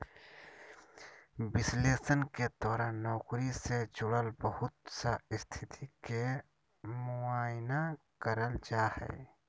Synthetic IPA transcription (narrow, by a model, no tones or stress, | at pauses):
bɪsleːsənked̪ɔːɾanɔːkɾised͡ʒʊɽəlbəhʊt̪saɪst̪ʰɪt̪ʰike | mʊaːjna | kəɾəld͡ʒaːhɛ̰ː